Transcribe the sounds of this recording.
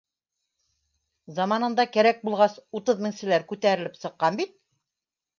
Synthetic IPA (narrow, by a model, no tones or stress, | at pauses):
zɑmɑnɤ̆nd̪ɑkæɾæk̚bulˠʁɑsut̪ɤðmɘ̆ŋsɘ̆læɾkʉt̪æɾɘ̆lɘpsɤ̆qːɑnbit̪̚